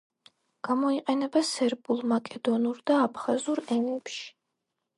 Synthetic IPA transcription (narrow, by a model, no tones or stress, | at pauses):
ɡ̥amɔiqʼɛnɛbasɛɾbulˠmakʼɛd̪ɔnuɾd̪aːpʰχazuɾɛmɛpʃi̥